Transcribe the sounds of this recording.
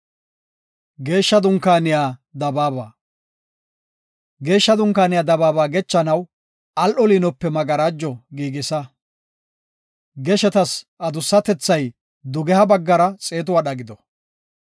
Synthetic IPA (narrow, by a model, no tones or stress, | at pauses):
ɡe̞ːʃːɐd̪ʊŋkaːnɪjaːd̪ɐbaːba̰ː | ɡe̞ːʃːɐd̪ʊŋkaːnɪjaːd̪ɐbaːbaːɡɛt͡ʃːɐnɐw | ɐlʔɔliːnɔpːɛmɐɡɐɾaːd͡ʒːɔɡiːɡɪsɐ | ɡɛʃɛt̪ɐsʔɐd̪ʊsːɐt̪ɛt͡sːɐj | d̪ʊɡɛhɐbɐɡːɐɾɐt͡sʼe̞ːt̪ʊwaɗɐɡɪd̪ɔ